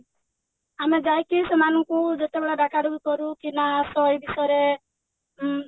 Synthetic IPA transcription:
amed͡ʒajkisemanɔŋkud͡ʒet̪ebeɭaɖakʰaɽubukɔɾukinasɔjbisɔɾe

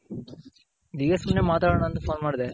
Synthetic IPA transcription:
id̪iːɡesumnemaːt̪aːɽɳaːnt̪ɐpʰoːnmaːɽid̪e

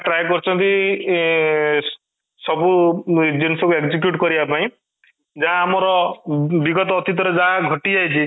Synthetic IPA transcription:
ʈɾajkɔɾt͡ʃʰɔnt̪i | sɔbued͡ʒensɔkueɡd͡ʒik̬juʈkɔɾibapaĩ | d͡ʒaãːmɔɾɔbiɡɔt̪ɔːt̪ʰit̪ɔɾed͡ʒaɦãɡʱɔʈid͡ʒajt͡ʃʰi

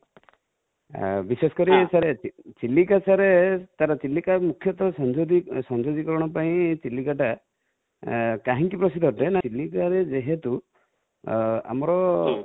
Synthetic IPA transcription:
bisesɔ̥kɔɾisaɾet͡ʃilikasaɾet̪aɾat͡ʃilːikamukʰːjɔt̪ɔsɔnd͡ʒod̪isɔnd͡ʒod̪ikɔɾɔɽ̃ɔpaĩt͡ʃilːikaʈa | kaɦĩŋkipɾɔsid̪ʱɔɾt̪enat͡ʃilikaɾed͡ʒeɦet̪u | a̰mɔɾɔ

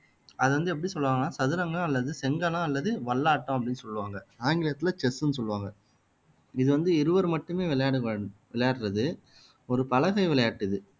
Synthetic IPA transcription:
ɐðɯʋɐnd̪ɯɛpːɐɽisɔlːɯʋaːŋɡɐnaːsɐðɯɾɐŋɡɐɐ̃ɐlːɐðɯsɛŋɡɐlãɐlːɐðɯʋɐɭːaːʈːɐ̃ɐp̬ːɐɽɪnːɯsɔlːɯʋaːŋɡɐaːŋɡɪɭɐt̪ːɪlɐt͡ʃɛsɯnːɯsɔlːɯʋaːŋɡɐ | ɪðɯʋɐnd̪ɯɪɾɯʋɐɾmɐʈːɯmeːʋɪlɐjaːɽɯʋɪɭɐjaːʈɾɐðɯ | ɔɾɯpɐlɐɣɐɪʋɪɭɐjaːʈːɪðɯ

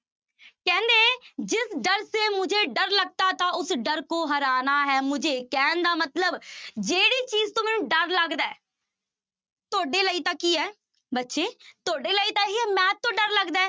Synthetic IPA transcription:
kɛ̃ːnd̪eːd͡ʒɪsɖəɾseːmʊd͡ʒʱeːɖəɾləɡ̚t̪aːt̪ãːʊsɖəɾkõːɦəɾaːnaːɦɛːmʊd͡ʒʱeːkɛːnd̪aːmət̪ləbd͡ʒeːɽiːt͡ʃiːzt̪õːmɛːnũːɖəɾləɡd̪aɛː | t̪oːɖeːləiːt̪ãːkiːɛː | bətːʃeːt̪oːɖeːləiːt̪ãːkiːɛːmɛːt̪ːõːɖəɾləɡd̪aː

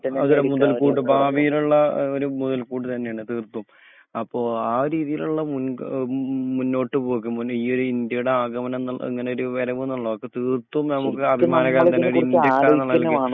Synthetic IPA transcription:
ɐðuɾemuðɐlkuːʈ̬ːɨbʱaːʋijiluɭːɐoɾumuðɐlkuːʈ̬ːɨt̪ɐnːe̞jaːɳɨt̪iːrt̪ːuum | ɐpːo̞ːaːɾiːðijiluɭːɐmun | munːo̞ːʈːɨpo̞ːkːumniːo̞ɾuind̪jɐjuɽeaːɡɐmɐnɐnɐḛŋːɐne̞o̞ɾuʋɐɾɐʋunːɐɭːɐʋokːet̪iːrt̪ːuumnɐmukːɨɐbʱimaːnɐkːaːlt̪ɐnːeo̞ɾuind̪ʲjɐkːaːnɐɭːɐilki

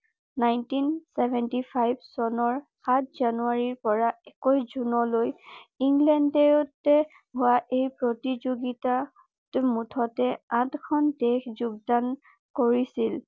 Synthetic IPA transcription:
najntinsɛbɛntipʰajbsɔnɔɹxat̚ʰzanuaɹiɹpɔɹaɛkɔjzunɔlojiŋɡlɛndɛjotɛ | ɦʊwaʔejpɹotizoɡita | tmutʰɔtɛãtkʰɔndɛxzuɡ̚dan | koɹisil

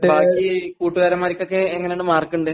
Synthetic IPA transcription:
bʱaːkːikuːʈːuɣaːɾɐmːaːɾikʲːo̞kːeeŋːɐneuːɳɨmaːrkuɳɖɨ

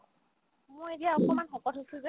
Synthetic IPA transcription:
mʊetijaɔkɔmanxɔkɔtʰosʰuzɛ

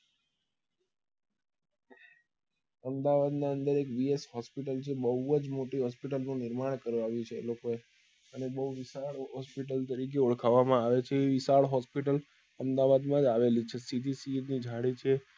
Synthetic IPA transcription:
əmd̪aʋad̪naənd̪əɾekʋiesɦɔspiʈəlt͡ʃʰebəuəd͡ʒmoʈiɦɔspiʈəlnũnɪɾmaɳ̃kəɾʋaʋjũt͡ʃʰelokoe | ənebəuʋisaɭɦɔspiʈəlt̪əɾik̬euɭkʰaʋamãaʋet͡ʃʰeːʋisaɭɦɔspiʈəl | əmd̪aʋad̪mãd͡ʒaʋelit͡ʃʰesid̪ʱisinid͡ʒʱaɽit͡ʃʰe

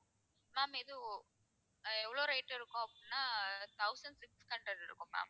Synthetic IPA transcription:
maːmɪðɯ | ɛʋːɐɭoːɾɐɪʈːɪɾɯkːʊ̃ɐpːɽinːaːt̪ɐʊsɐɳɖsɪkskɐɳʈɐɾɪɾɯ̰kːʊ̃ma̰ːm

